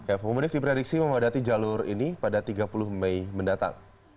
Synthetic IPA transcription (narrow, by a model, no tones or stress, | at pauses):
kapəəmunɪk̚dipɾedik̚siməmadat̪id͡ʒalʊrinipadat̪iɡapulʊhmɛjməndat̪a̰ŋ